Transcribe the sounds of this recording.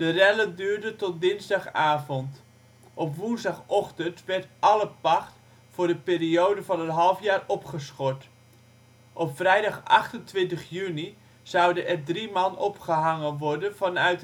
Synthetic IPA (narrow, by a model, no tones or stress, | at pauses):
d̥ərɛləndyːɹdətɔt̚dɪnzdɑχaːvɔnt | ʔɔpʋunzdɑχɔχtəntʋɛɹtɑləpɑχt | fʊːɹdəpɪːriowdəvɑnənɦɑlˠfjaːrɔpχəsχɔɹt | ʔɔpfrɛjdɑχɑχtəntʋɪntəχjyni | z̥ʌwdəʔɛrdrimɑnɔpχəɦɑŋənʋɔɹdənvɑnœɥt